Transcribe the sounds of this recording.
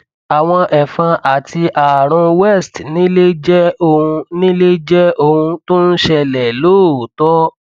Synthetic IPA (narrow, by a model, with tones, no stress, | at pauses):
a˨w̃ɔ̃˧ʔɛ˨fã˧ʔa˨ti˧ʔa˨ɾ̃ũ˧wɛ˦˨stnĩ˦le˦d͡ʒɛ˦o˧hũ˧nĩ˦le˦d͡ʒɛ˦o˧hũ˧to˦n̩˦ʃɛ˧lɛ˨loː˦˨tɔ˦